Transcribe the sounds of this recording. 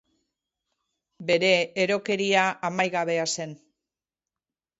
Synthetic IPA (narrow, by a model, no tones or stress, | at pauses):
be̞ɾe̞ːɾo̞ke̞ɾiaamajɣaβe̞ase̞n